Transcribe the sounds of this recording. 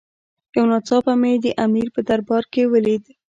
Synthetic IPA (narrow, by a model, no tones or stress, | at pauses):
jawnɑt͡sɑpamed̪əʔamiɾpəd̪aɾbɑɾkewəlid̪